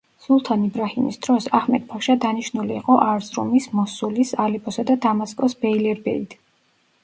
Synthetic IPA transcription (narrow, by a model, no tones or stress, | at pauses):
sulˠt̪ʰanibɾahimḭsd̪̥ɾɔsahmɛd̪̚bʰaʃad̪aniʃnuliːqʼɔʔaɾzɾṵmismɔsulisalɛpʰʼɔsad̪ad̪amaskʼɔsbɛilɛɾbɛ̰it̪ʰ